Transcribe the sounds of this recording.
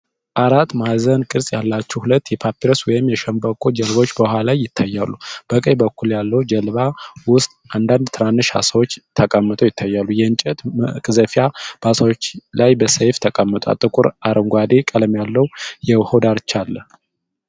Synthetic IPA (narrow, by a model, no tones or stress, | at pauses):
ʔaɾat̪ːmazənkʼɨɾsʼjalːat͡ʃːɛwhulət̪ːjɛpʰapiɾoswɔjɪmːjɛʃəmbəkʰʼo̞d͡ʒəlβo̞t͡ʃːbəhʷalajːɪt̪ʰːajːalːub̥əkʼəjbəkʰːuljalːəwd͡ʒəlβawʊst̪ʼʔand̪and̪t̪ʰɨɾanːɨʃha̰səwot͡ʃːt̪ʰəkʼəmːɨt̪ʼəwjɪt̪ʰːajːalːujɛɨnt͡ʃʼɛt̪kʼɨzəfijab̥asawot͡ʃːlajbəsəjft̪ʰəkʼəmːɨt̪ʼa̰t̪ʼɨkʼuɾaɾʔəŋɡʷad̪ekʼələmjalːəwjɛwhod̪aɾt͡ʃːalːə